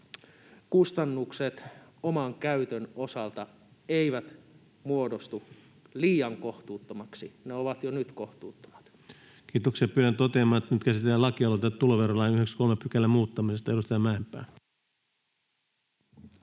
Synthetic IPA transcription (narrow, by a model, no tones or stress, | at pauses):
kust̪ɑnːukset̪omɑŋkæyt̪øno̞sɑlt̪ɑ | eiʋæt̪ | muodost̪u | liːjɑŋkoht̪uːt̪ːomɑksineoʋɑt̪jonyt̪ko̞ht̪uːt̪ːo̥mɑ̥t̪ | kiːt̪oksiɑpyːɾænt̪ot̪eɑmɑːnet̪ːænyt̪kæsit̪elːælɑkiɑlot̪ɑt̪ːuloʋerolɑinyhekskolmepykælːæmuːt̪ːɑmisest̪ɑeɾust̪ɑjɑmæːempːˑæ̰ːn